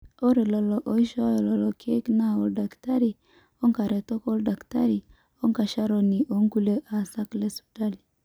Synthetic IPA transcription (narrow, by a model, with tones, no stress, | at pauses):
o˦ɾe˨lɔ˨lɔ˨ʔo˨i˦ʃɔ˦jɔ˨lɔ˨lɔ˨kʰe˦kna˦˨o˨lda˨kta˦ɾi˨ | ɔ˦ŋka˨ɾɛ˨tɔ˦kɔ˦lda˨kta˦ɾi˨ | o˦ŋka˨ʃa˦ɾɔ˨ni˨ʔo˨˦ŋɡu˦le˦ʔa˨sa˦kle˦su̥˨ta˦li˨